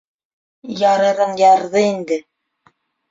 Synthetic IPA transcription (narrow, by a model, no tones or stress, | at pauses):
jɑɾɤ̆ɾɤnjɑɾðɤind̪ɘ